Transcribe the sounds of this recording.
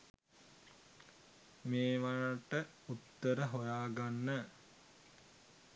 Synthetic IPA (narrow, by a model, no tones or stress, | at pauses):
meːʋaɻaʈə | ut̪ːəɾəɦojaːɡanːə